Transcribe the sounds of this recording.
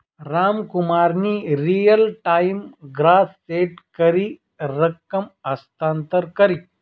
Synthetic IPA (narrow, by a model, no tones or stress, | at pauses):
ɾaːmkumaːɾniːɾijɐlʈaːjmɡɾaːt̪seːʈkɐɾi | ɾɐkːɐmɐst̪aːnt̪əɾkɐɾi